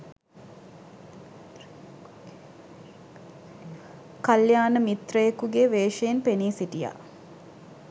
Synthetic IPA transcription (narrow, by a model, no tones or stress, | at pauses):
kaljaːnəmit̪rəjekuɡeʋeːʃejenpeniːsiʈija̰